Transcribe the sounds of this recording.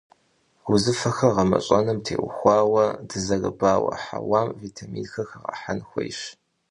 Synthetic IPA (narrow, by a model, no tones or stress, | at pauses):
ɡʷʊzɨfɐxɐʁɐmɐ̰ɕʼɐnɨmtʰeːwʷʊxʷɑːwɐdɨzɐrɨbaːwɐ̰ħa̰waːmvitʰamiːnxɐxɐʁɐ̰ħanxʷɔ̰jɕ